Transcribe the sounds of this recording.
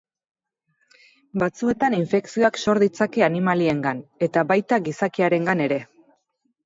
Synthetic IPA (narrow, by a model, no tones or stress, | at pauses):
bat͡sue̞t̪aniɱfe̞ksio̞akso̞ɾðit͡sake̞animalie̞ŋɡane̞t̪aβajt̪aɡisakiaɾe̞ŋɡane̞ɾe̞